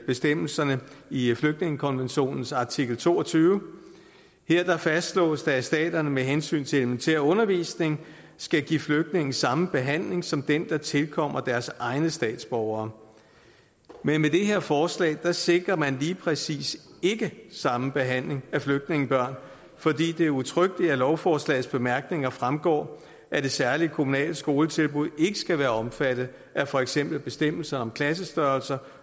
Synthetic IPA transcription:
b̥e̝sd̥em̰l̩sɐnəifløɡ̥̚d̥ne̝ŋəkʰɒ̽nʋenɕo̝̰ːnn̩sɑ̈t͡sʰiɡ̥l̩t͡sʰo̝ːɒt͡sʰyːʊ | heɐ̰d̥ɑ̈fæsd̥slɔ̰̽ːsd̥æsd̥ɛ̰ːd̥ɐnəmeɦensy̰ːnt͡sʰe̝leləment͡sʰḛɐ̰ɔ̽nɐʋḭːsne̝ŋ | sɡ̥æɡ̥ḭːfløɡ̥̚d̥ne̝ŋn̩sɑ̈məb̥e̝ɦæn̰le̝ŋsɒ̽md̥end̥ɑ̈t͡sʰe̝lkʰɒ̽m̰ɐd̥æɐsʔɑ̈ɪnəsd̥ɛ̰ːd̥sb̥ɒʊɐː | menmed̥e̝ɦe̝ɐ̰fɒːslɛ̰ːɪd̥ɑ̈se̝ɡ̥ʁɐmænliːpʰʁɛsḭːse̝ɡ̥əsɑ̈məb̥e̝ɦæn̰le̝ŋæfløɡ̥̚d̥ne̝ŋn̩b̥ɶɐ̰n | fɒ̽d̥ḭːd̥e̝æɐut͡sʰʁœɡ̥liælɒʊfɒːslɛ̰ɪð̩ˠsb̥e̝mæɐɡ̥ne̝ŋɐfʁamɡ̥ɒ̰ː | ʔæd̥e̝sæɐlikʰo̝munɛ̰ːləsɡ̥o̝ːlət͡sʰe̝lb̥uð̰ˠe̝ɡ̥əsɡ̥æʋæːɐɒ̽mfæd̥ð̩ˠ | æfɒ̽eɡ̥sem̰b̥l̩b̥e̝sd̥em̰l̩sɐnɒ̽mkʰlæs̬əsd̥ɶɐlsɐ

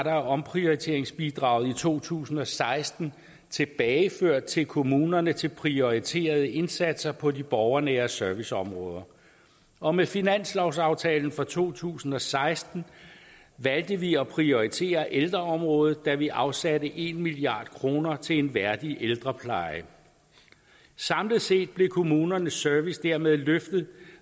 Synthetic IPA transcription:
ɾɑɒ̽mpʰʁio̝it͡sʰe̝̰ːɐeŋsb̥id̥ʁɑ̈ʊð̩ˠit͡sʰo̝̰ːt͡sʰṵːsn̩ɒ̽sɑ̈ɪsd̥n̩ | t͡sʰe̝b̥ɛːɪføɐ̰d̥̚t͡sʰe̝lkʰo̝muːnɐnət͡sʰe̝lpʰʁio̝it͡sʰe̝̰ːɐð̞ˠəe̝nsæd̥sɐpʰɒ̽dib̥ɒʊɐneɐsœɐʋisɒ̽mʁɔ̽ːð̞ˠɐ | ʔɒ̽mefinæn̰slɒʊsɑ̈ʊt͡sʰɛːln̩fʁɒt͡sʰo̝̰ːt͡sʰṵːsn̩ɒ̽sɑ̈ɪsd̥n̩ | ʋæld̥əʋiɒ̽pʰʁio̝it͡sʰe̝̰ːɐʔeld̥ʁɐɒ̽mʁɔ̽ːð̞̩ˠd̥æʋiʔɑ̈ʊsædəʔe̝nmiliɑ̰̈ːd̥kʰʁo̝ːnɐt͡sʰe̝e̝nʋæɐd̥iʔeld̥ʁɐpʰlɑ̈ɪə | sɑ̈mləð̩ˠse̝̰ːd̥̚b̥le̝kʰo̝muːnɐnəsːøɐʋisd̥æɐmeð̞ˠløfd̥əð̩ˠ

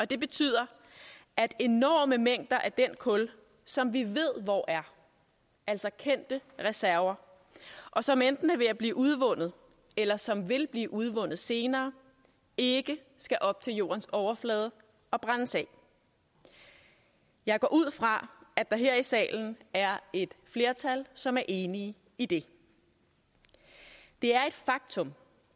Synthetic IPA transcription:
ɒ̽d̥e̝b̥e̝t͡sʰy̰ːð̞̰ˠɐ | æd̥e̝nɒ̰ːməmeŋ̰d̥ɐʔæɐd̥en̰kʰɔ̽l | sɒ̽mʋiʋe̝ð̞̰ˠʋɒʔæɐ | æl̰sɒ̽kʰen̰d̥əʁɛsæɐɐ | ʔɒ̽sɒ̽mend̥n̩əʋe̝æb̥liːʔuð̞ˠʋɔ̽n̰ð̞̩ˠ | elɐsɒ̽mʋe̝lb̥liːʔuð̞ˠʋɔ̽n̰ð̞̩ˠse̝ːnɐː | e̝ɡ̥ə | sɡ̥æʔɒ̽b̥̚t͡sʰe̝ljo̝̰ːɐnsɒʊɐflɛːð̞ˠə | ɒ̽b̥ʁɑnsɛ | jɑ̈ɪɡ̥ɒ̰ːʔuð̞̰ˠfʁɑ̈æ̥ɑ̈ɦe̝ɐ̰isɛ̰ːln̩æɐe̝d̥fle̝ːɐt͡sʰælsɒ̽mæɐʔe̝ːni | id̥e̝ | d̥e̝æɐe̝d̥fɑ̈ɡ̥̚t͡sʰɔ̽m

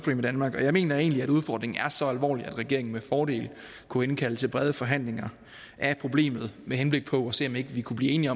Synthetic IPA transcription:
sd̥ʁḭːmid̥ænmɑ̈ːɡ̥ɒ̽jɑ̈ɪme̝̰ːnɐe̝ːnliæɾ̥uð̞ˠfɒ̰ːd̥ʁeŋn̩æɐsɒ̽ælʋɒ̰ːliæd̥ʁɛɡ̥e̝ɐeŋn̩mefɒːɾe̝̰ːl | kʰuenkʰæləsʰeb̥ʁɛð̞ˠəfɒ̽ɦæn̰le̝ŋɐ | ʔæpʰʁo̝ble̝̰ːmð̞̩ˠmehenb̥le̝ɡ̥̚pʰɒ̽ɒse̝̰ːɒ̽me̝ɡ̥əʋikʰub̥lḭːe̝ːniɒ̽

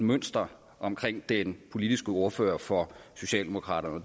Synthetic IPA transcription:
møn̰sd̥ɐ | ʔɒ̽mkʰʁeŋ̰d̥enpʰo̝lid̥isɡ̥əo̝ɐfø̰ːɐfɒso̝ɕɛ̰ːld̥e̝mokʰʁɑ̰̈ːɾ̥ɐnəɒd

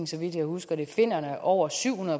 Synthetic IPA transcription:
ŋ̩sɒ̽ʋid̥jɑ̈ɪhusɡ̥ɐɾ̥e̝fe̝n̰ɐnəʔɒʊ̰ɐsyʊhunɐðˠ

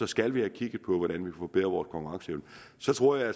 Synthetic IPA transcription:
ɒ̽sɡ̥ælʋihækʰiɡ̥ð̩ˠpʰɒ̽ʋɒɾ̥ænʋikʰæfɒ̽b̥eð̰ʁɐʋɒ̰ːskʰɒ̽ŋkuʁɑ̈ŋsəeʊnə | sɒ̽t͡sʰʁo̝ɐ̰jäæ

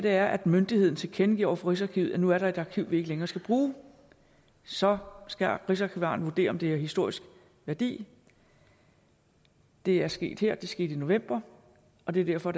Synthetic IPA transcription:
d̥e̝æɐʔæd̥mønd̥ihe̝ð̞̰ˠn̩t͡sʰe̝lkʰenəɡ̥ḭɐɒ̰ɐfɒʁis̬ɑ̈kʰiʊ̰jænuæɐɾ̥ɑ̈e̝d̥ɑ̈kʰiʊ̰ʋie̝ɡ̥əleŋɐːsɡ̥æb̥ʁuː | sɒ̽sɡ̥æʁisɑ̈kʰiʋɑ̈ːn̩ʋuɐde̝̰ːɐɒ̽md̥e̝æɐhisd̥o̝ɐ̰isɡ̥ | ʋæɐd̥ḭː | d̥e̝æɐsɡ̥e̝̰ːd̥heɐ̰d̥e̝sɡ̥e̝̰ːd̥ino̝ʋem̰b̥ɐ | ʔɒ̽d̥e̝æɐd̥æɐfɒ̽d

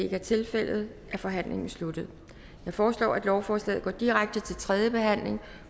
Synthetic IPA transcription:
eɡ̥æɐt͡sʰe̝lfel̰ð̞̩ˠ | ʔæfɒ̽ɦæn̰le̝ŋn̩slud̥ð̞̩ˠ | jɑ̈ɪfɒːslɒ̰ːæd̥lɒʊfɒːslɛ̰ːð̩ˠɡ̥ɒ̰ːd̥iʁaɡ̥̚d̥ət͡sʰe̝lt͡sʰʁɛðˠjəb̥e̝ɦæn̰le̝ŋ

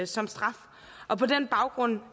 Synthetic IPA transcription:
sɒ̽msd̥ʁɑ̈f | ʔɒ̽pʰɒ̽d̥enb̥ɑ̈ʊɡ̥ʁɔ̽n̰

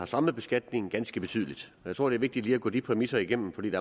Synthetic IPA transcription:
hɑ̈sɑ̈məb̥e̝sɡ̥æd̥ne̝ŋ̩ɡ̥ænsɡ̥əb̥e̝t͡sʰy̰ːðˠlid̥ɒjaɪt͡sʰʁo̰deɐʋe̝ɡ̚d̥id̥liːæɡɔ̰̽ːd̥ipʰʁɛmisɐiɡ̥em̰m̩fɒ̽dḭːdeæɐ

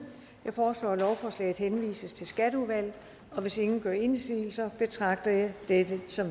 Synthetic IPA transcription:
jɑ̈ɪfɒːslɒ̰ːlɒʊfɒːslɛ̰ɪð̩ˠhenʋḭːsəst͡sʰe̝lsɡ̥æɾ̥əuðˠʋæl̰ | ɒ̽ʋe̝se̝ŋn̩ɡ̥ɶɐ̰e̝nsḭːl̩sɐb̥e̝t͡sʰʁɑ̈ɡ̥̚d̥ɐjɑ̈ɪd̥ed̥əsɒ̽m

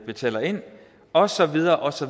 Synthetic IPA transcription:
b̥e̝t͡sʰɛ̰ːlɐe̝n̰ | ɒ̽sɒ̽ʋið̞ˠɐːʔɒ̽sɒ̽

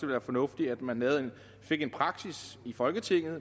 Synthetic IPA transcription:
əʋeæːɐfɒ̽nɔ̽fd̥iæd̥mænɦɛːð̩ˠen | fe̝ɡ̥e̝npʰʁɑ̈ɡ̥sisifɒ̽lɡ̥ət͡sʰe̝ŋ̰ð̩ˠ

